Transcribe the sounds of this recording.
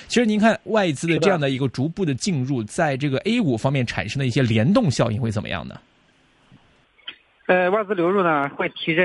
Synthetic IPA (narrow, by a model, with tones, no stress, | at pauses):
t͡ɕʰi˧˥ʂɻ̩˧ni˧˥nŋkʰa˥˧nwa˥˩ɪt͡sɹ̩˥d̪ə˨˧ʈ͡ʂɤ˥˧jɑ˥˩ŋd̪ə˩i˧˥ɡə˧ʈ͡ʂu˧˥pu˥˩d̪ə˩t͡ɕi˥˧nɻu˥˩t͡sa˥˧ɪʈ͡ʂɤ˥˩ɡə˩ʔe˥ɪu˨˩fɑ˥ŋmjɛ˥˩nʈ͡ʂʰa̰˨˩nʂɤ˥ŋd̪ə˧i˥˩ɕjɛ˥ljɛ˧˥nt̪ʊ˥˧ŋɕjɑ˥˧ʊḭ˥˩ŋxe˥˩ə˨˩m˩ə̰˦jɑ̰˥˩ŋnə̰˩ | ə˧wa˥˩ɪt͡sɹ̩˥ljo˧˥ʊɻu˥˩nə˩xwe˥˩ɪt̪ʰi˧˥ʈ͡ʂə˥˧